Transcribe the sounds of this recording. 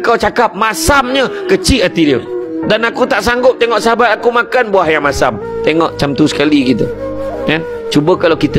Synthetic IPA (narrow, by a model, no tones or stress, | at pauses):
kawt͡ʃakap̚masamɲəkət͡ʃiat̪idiədanakut̪aʔsaŋɡʊp̚t̪eŋɔʔsaɦabat̪akumakanbuahjaŋmasa̰m | t̪eŋɔʔt͡ʃamt̪usə̥kaliɡit̪ṵ | jan | t͡ʃubəkalokit̪ə